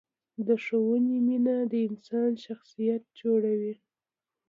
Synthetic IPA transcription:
d̪əʂowənininad̪əɪnsɑnʃaxsijat̪̚d͡ʒoɽawi

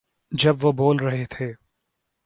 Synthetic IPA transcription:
d͡ʒɐbʋoboːlɾɐɦet̪ʰeː

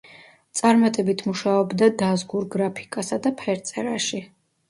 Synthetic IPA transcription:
t̪sʼaɾmat̪ʼɛbit̪ʰmuʃaɔbd̪ad̪azɡuɾɡɾapʰi̥kʼasad̪apʰɛɾt̪sʼɛɾaʃi

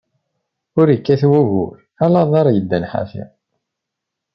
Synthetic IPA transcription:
ʊɾəkːæθwæʝʊ̰ɾ | ælɑðˤɑɾˤɑjəd̪ːænħa̰θḭ

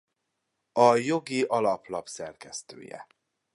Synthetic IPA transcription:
ɒjo̞ɡiʔɒlɒplɒpsɛrkɛst̪ø̰ːjɛ̰

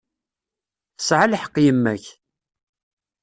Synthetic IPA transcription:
θə̥sʕalħə̥qːjəmːæç

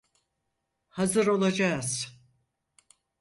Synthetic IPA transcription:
hazɯɾo̞lˠad͡ʒaːz̥

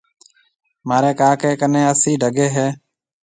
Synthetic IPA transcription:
maːɾeːkaːkeːkənẽːəsiːɖʱəɡeːɦeː

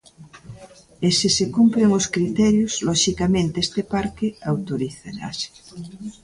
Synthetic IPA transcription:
esisekumpleŋoskɾit̪ɛɾjoz̥lɔʃikamẽnt̪eest̪epaɾkeawt̪oɾiθeɾa̰se̥

